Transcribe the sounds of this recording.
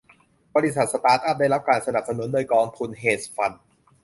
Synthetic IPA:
bɔː˧ɾi˦˥t̪̚sa˨˩t̪̚sa˧t̪aː˦˥t̪̚ʔa˦˥˩p̚da˥˩jɾa˦˥p̚kaː˧nsa˧na˨˩p̚sa˧nu˩˦ndoː˧jkɔː˧ŋt̪ʰu˧nɦeː˨˩t̪sfa˧n

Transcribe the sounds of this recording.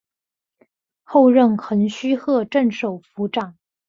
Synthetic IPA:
xo˥˧ʊɻə˥˩nxə˧˥nɕy˥xɤ˥˧ʈ͡ʂə˥˩nʂo˨˩ʊfu˧˥ʈ͡ʂɑ˨˩˦ŋ

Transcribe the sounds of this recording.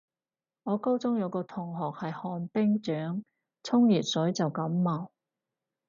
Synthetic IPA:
ŋɔː˨˧ko˥wt͡sʊ˥ŋjɐ˨˧wkɔː˧t̪ʰʊ˨˩ŋɦɔː˨k̚hɐ˨jhɔː˧npɪ˥ŋt͡ʃœː˨˥ŋ | t͡sʰʊ˥ŋjiː˨˩t̚sɵ˨˥ɥt͡sɐ˨wkɐ˨˥mːɐː˨˩w

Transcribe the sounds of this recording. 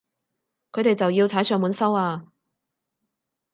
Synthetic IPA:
kʰɵ˨˧t̪e˨jt͡sɐ˨wjiː˧wt̪ʰaː˨˥sœː˨˧ŋmu˨˧˥nsɐ˥waː˧

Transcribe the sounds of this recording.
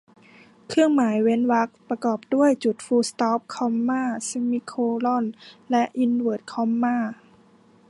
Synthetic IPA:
kʰɯ˥˩əŋmaː˨˩˦jwe˦˥nwa˦˥k̚pa˧kɔː˨˩p̚du˥˩əjt͡ɕu˨˩t̪̚fuː˧˥st̪ɔ˦˥p̚kʰɔ˧mːaː˥˩se˧mi˧˥kʰoː˧lɔ˥˩nlɛ˦˥ʔi˧˥nwɤː˨˩t̪̚kʰɔ˧˥mːaː˥˩

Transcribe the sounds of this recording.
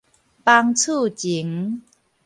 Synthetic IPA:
pa˧ŋt͡sʰuː˥˩t͡ɕi˩˦ŋ

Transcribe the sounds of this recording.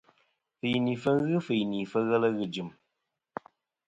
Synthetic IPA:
fɨ˨jni˨fə˦ɣɨ˦fɨ˨jniː˨fə˦ɣɛ˦lə˦ɣɨ˨d͡ʒɨ˨m

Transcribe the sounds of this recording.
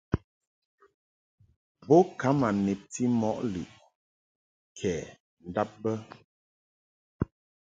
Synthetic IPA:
bɔ˦ka˨˦ma˨ne˨p̚ti˦mɔ˦ʔlḭ˨ʔ | kʰɛ˨ | n̩˨da˦p̚bə˦

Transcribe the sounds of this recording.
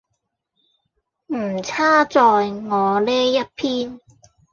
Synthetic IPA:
m̩˨˩t͡sʰaː˥t͡sɔː˧jŋɔː˨˧lɛː˥jɐ˥t̚pʰiː˥n

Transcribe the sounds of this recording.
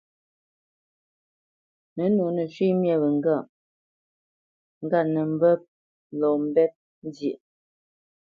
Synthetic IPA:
nə˨˦nu˨˦nə˨ʃwi˦mjɛ˦˨bə˨ŋ̩˦ɡa˦˨ | ŋ̩˦ɡa˦˨nə˨m̩˦bə˦p̚ | lɔ˨m̩˦bɛ˦t̚ | n˦di˨ʔ

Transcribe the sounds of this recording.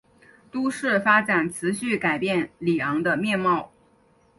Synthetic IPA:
t̪u˥ʂɻ̩˥˩fa˥ʈ͡ʂa˨˩nt͡sʰɹ̩˧˥ɕy˥˩ka˨˩ɪpjɛ˥˩nli˨˩ɑ˧˥ŋd̪ə˧mjɛ˥˧nmɑ˥˩ʊ

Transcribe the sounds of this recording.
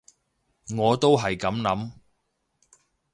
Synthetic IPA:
ŋɔː˨˧t̪o˥wɦɐ˨jkɐ˨˧˥mnɐ˨˥m

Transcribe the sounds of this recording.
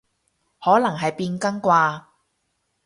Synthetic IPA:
hɔː˨˥lɐ˨˩ŋɦɐ˨jpiː˧nkɐ˥ŋkʷaː˧

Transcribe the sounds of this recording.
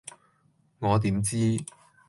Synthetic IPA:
ŋɔː˨˧t̪̬iː˨˥mt͡siː˥

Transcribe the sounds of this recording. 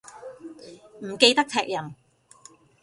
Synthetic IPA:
m̩˨˩ke˧jt̪ɐ˥k̚t̪ʰɛ̰ː˨k̚jɐ˨˩n

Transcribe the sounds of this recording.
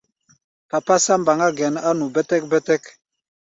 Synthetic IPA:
pa˨pa˦sa˦mba˨ŋa˦ɡɛ˨na˦nu˨bɛ˦tɛ˦k̚bɛ˦tɛ˦k

